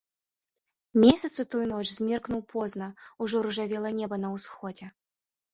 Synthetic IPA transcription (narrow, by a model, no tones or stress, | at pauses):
mʲesʲɐt̪sɨt̪ujnɔt͡ʂzʲmʲɛrknuwpʰɔzn̪ɐuʐɔɾuʐavʲɛlˠɐnʲɛbɐnɐwsxɔd͡zʲɛ